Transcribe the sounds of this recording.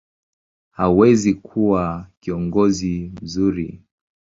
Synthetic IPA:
hauwɛzikʰuwakiɔŋɡɔzim̩zuɾi

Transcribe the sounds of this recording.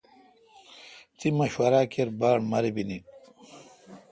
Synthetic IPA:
t͡simɐɕwɐɾaːkeɾbaːɳmɐɾibini

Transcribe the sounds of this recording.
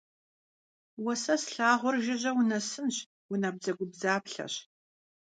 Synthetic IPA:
wɐsɐsɬaːʁʷʊɔrʒɪʑɐwʊnɐsɨnɕ | wʊnɐb̚zɐɡʷʊbzaːpɬɐ̰ɕ

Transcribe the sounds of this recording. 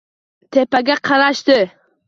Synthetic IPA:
t̪ʰepaɡʲaqʰɑɾaʃt̪ɪ

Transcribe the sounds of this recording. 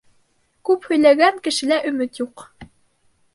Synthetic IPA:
kʉphɵ̆jlæɡæŋkɘ̆ʃɘ̆læʔɵ̆mɘt̪juq

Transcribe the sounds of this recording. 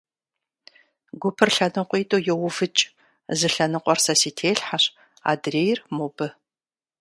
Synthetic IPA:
ɡʷʊpʰɨrɬɐnɨqʷiːtʼojɛwʊfɨt͡ʃʼ | zɨɬɐnɨqʷʼɔrsɐsiːtʰeːɬħaɕ | a̰ːdreːjrmobɨ

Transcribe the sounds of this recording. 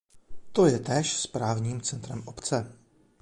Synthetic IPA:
t̪o̞jɛt̪ɛːʃspɾaːvɲiːmt͡sɛnt̪ɾɛmʔopt͡sɛ

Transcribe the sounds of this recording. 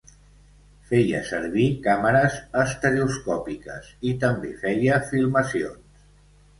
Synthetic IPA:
fɛjə̰səɾβ̞ikaməɾəzəst̪əɾeuskɔpikə̰sit̪əmbefɛjəfilˠməsions

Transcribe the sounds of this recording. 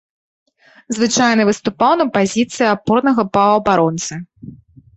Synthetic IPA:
zvɨt͡ʂajnɨvɨst̪upawnɐpazʲit̪sɨjapɔrnɐɣɐpɐɐbaɾɔnt̪sɨ

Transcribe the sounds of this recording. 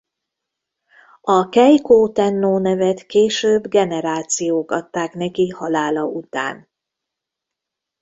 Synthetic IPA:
ɒkɛjkoːt̪ɛnːoːnɛvɛt̪keːʃøːbɡɛnɛɾaːt̪sijoːkɒt̪ːaːknɛkihɒlaːlɒʔut̪a̰ːn

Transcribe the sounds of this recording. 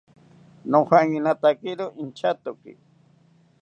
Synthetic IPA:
noxaŋɪnat̪akɪɾʊʔɪnt͡ʃat̪ʊkɪ̰

